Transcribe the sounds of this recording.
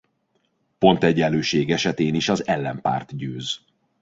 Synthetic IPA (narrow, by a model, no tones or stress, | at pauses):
po̞nt̪ɛɟɛlːøːʃeːɡɛʃɛt̪eːniʃɒzɛlːɛmpa̰ːrt̪ɟøːz